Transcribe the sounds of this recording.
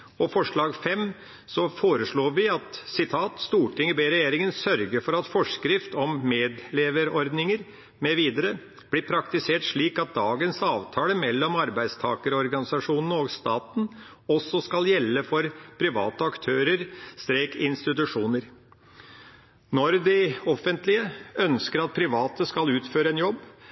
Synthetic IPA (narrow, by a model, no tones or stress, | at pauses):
ɔfɔʂɭɑːɡfɛm | sɔfoːɾəʂɭoːʋɪɑt̪sɪt̪ʰɑːt̪st̪uːʈʰɪŋəbeɾɛjeːɾɪŋənsœɾɡəɾfɔɾɑt̪fɔʂkɾɪft̪ɔmːeːd̪leːʋəɾɔɾd̪nɪŋəɾ | mɛʋiːd̪əɾə | b̥lɪpʰɾɑkt̪ɪseːʈʂɭiːkɑt̪̚d̪ɑːɡənsɑːʋt̪ʰɑːləmɛlːɔmɑɾbæɪd̪st̪ʰɑ̰ːkəɾɔɾɡɑnɪsɑʂuːnənɔɡst̪ɑːt̪n̩ | ɔsːɔskɑljɛlːəfɔɾpʰɾɪʋɑ̰ːt̪əɑkt̪ʰøːɾəɾst̪ɾeːkɪnst̪ɪt̪ʉʂuːnəɾ | nɔɾd̪ɪɔfːənt̪lɪəʔœnskəɾɑt̪̚pʰɾɪʋɑːt̪əskɑlʉːt̪føːɾəɛːnjɔbː